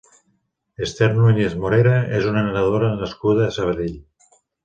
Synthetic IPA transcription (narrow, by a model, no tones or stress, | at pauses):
est̪eɾnuiɲezmoɾeɾaezunanaɾaðoɾaːnlaskuðaesaβaðeʎ